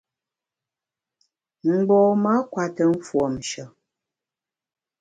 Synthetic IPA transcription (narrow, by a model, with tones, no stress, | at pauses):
m̩˨bɔː˨ma˦kwa˨tə˨m̩˦fwɔ˨m˨ʃə˨